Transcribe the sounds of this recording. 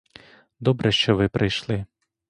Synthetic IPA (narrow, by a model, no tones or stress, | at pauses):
d̪ɔbɾɛʃt͡ʃɔʋɪpɾɪjʃlˠɪ